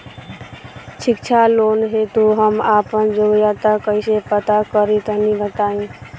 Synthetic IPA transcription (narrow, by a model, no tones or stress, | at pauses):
t͡ʃʰikt͡ʃʰalonɦet̪uɦəmapənd͡ʒoɡjat̪akəɪsepət̪akəɾit̪ənibət̪aĩ